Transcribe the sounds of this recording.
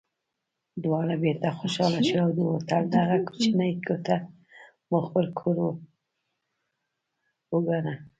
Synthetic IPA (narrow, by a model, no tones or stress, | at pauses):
d̪wɑɾabeɾt̪axoʃɑlaʃuawd̪əwot̪ald̪aɣaku̥t͡ʃinajkʰot̪a | moxpəlkʰoɾo | wəɡana